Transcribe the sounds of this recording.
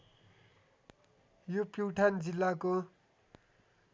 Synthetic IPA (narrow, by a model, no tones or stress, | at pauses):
jupjuʈʰand͡zilːako